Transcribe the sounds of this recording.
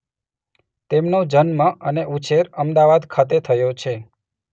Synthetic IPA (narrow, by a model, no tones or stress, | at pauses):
t̪emnod͡ʒənmãʔəneʔut͡ʃeɾəmd̪aʋad̪kʰat̪et̪ʰəjot͡ʃʰe